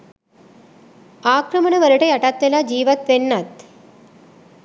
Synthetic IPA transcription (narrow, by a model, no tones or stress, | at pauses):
aːkɾɐmɐɳɐʋɐɾɐʈɐjɐʈat̪ʋelaːd͡ʒiːʋɐt̪ʋenːɐt̪